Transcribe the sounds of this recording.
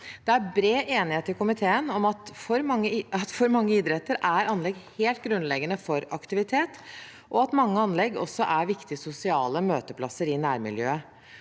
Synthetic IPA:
d̪̥ɛæɾbɾeːʔeːnɪheːt̪ɪkʊmɪt̪ʰeːənɔmɑt̪fɔɾmɑŋːəɑt̪fɔɾmɑŋːəiːd̪ɾɛt̪ːəɾæɾɑnlɛɡheːlt̪̚ɡɾʉnlɛɡənəfɔɾɑkt̪ɪʋɪt̪ʰeːt̪ | ʔɔɑt̪mɑŋːəɑnlɛɡɔ̰sːɔʔæɾʋɪkt̪ɪsʊsɪɑːləmøːt̪əpʰlɑsːəɾɪnæːɾmɪ̰ljø̰ːə

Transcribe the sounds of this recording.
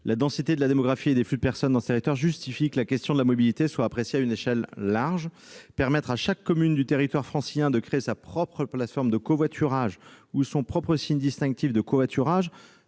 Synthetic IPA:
lad̪ɑ̃sit̪ed̪əlad̪emɔɡʁafied̪eflyd̪əpɛʁsɔnd̪ɑ̃sət̪eʁit̪waʁʒyst̪ifikəlakʲɛst̪jɔ̃d̪əlamɔbilit̪eswaːpχesjeayneʃɛlːaʁʒpɛʁmɛt̪χaʃakːɔmynd̪yt̪eʁit̪waʁfχɑ̃sijɛ̃d̪əkχeesapχɔpχəplat̪fɔʁmd̪əkovwat̪ʰyʁaʒusɔ̃pχɔpχəsiɲd̪ist̪ɛ̃k̚t̪ifd̪əkovwat̪ʰyʁaʒ

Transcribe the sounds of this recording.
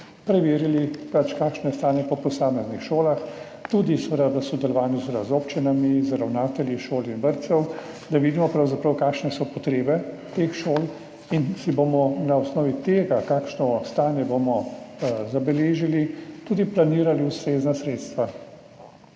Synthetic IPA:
pɾɛʋeːɾilipat͡ʃkaːkʃnɛst̪aːnjɛpɔpɔsaːmɛznixʃoːlax | t̪ud̪isʋəd̪ad̪asɔd̪ɛlɔʋaːnjusʋəd̪azoːpt͡ʃinamizɾawnaːt̪ɛljiʃoːlinbəɾt̪sɛw | d̪aʋiːd̪imɔpɾawzapɾɐwkaːkʃnɛsɔpɔt̪ɾeːbɛ | t̪eːxʃoːl | insibomɔnaɔsnɔːʋit̪eːɡakaːkʃnɔst̪aːnjɛbomɔzabɛleːʒilit̪uːd̪iplaniːɾaliust̪ɾeːznasɾeːt̪st̪ʋa

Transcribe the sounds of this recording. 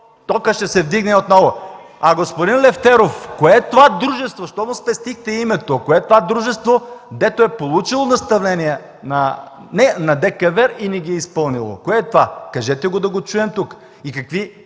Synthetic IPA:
t̪ɔkəʃt̪ɛsɛvd̪iɡnɛot̪nɔvoɐɡospod̪inlɛft̪ɛɾofkoɛt̪ovad̪ɾuʒɛst̪voʃt̪ɔmʊspɛst̪ixt̪ɛimɛt̪okoɛt̪ovad̪ɾuʒɛst̪vod̪ɛt̪oɛpolˠut͡ʃilˠonɐst̪ɐvnɛniɛ | nɐnɛnɐd̪ɛkɐvɛɾiniɡʲiɛispɤlˠnilˠo̰koɛt̪ovakɐʒɛt̪ɛɡod̪ɐɡot͡ʃuɛmt̪uk | ikɐkvi

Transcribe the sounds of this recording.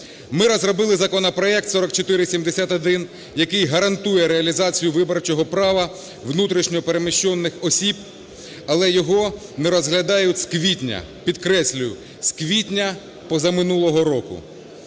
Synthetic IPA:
mɪɾɔzrɔbɪlˠɪzɐkɔnɔpɾɔɛk̚t̪sɔɾɔkt͡ʃɔt̪ɪɾɪsʲimd̪esʲat̪ɐd̪ɪn | jɐkɪjɦɐɾɐnt̪ujɛɾeɐlʲizɑt͡sʲijʊʋɪbɔɾrt͡ʃɔɦɔpɾɑʋɐ | ʋnut̪ɾiʃnʲɔpeɾemɪʃt͡ʃɔnːɪxɔsʲib | ɐlˠɛjɔɦɔnɛɾɔzɦlʲɐd̪ɑjʊskʋʲitʲnʲɐ̰ | pʲid̪kɾɛsʲlʲʊjʊ | sʲkʋʲitʲnʲɐ | pɔzɐmɪnulˠɔɦɔɾɔkʊ̰

